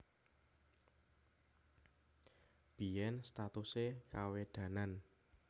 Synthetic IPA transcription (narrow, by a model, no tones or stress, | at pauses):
b̥i̤jɛnst̪at̪usekaweɖ̪̥ä̤nan